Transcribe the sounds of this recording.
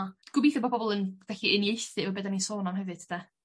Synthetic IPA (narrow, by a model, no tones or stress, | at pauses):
ɡ̥ʊbiːθɔbɔbɔbɔlˠənv̥ɛɬiənjejθɨvɔbeːdanisoːnamhɛvɨd̥̚ʰd̥a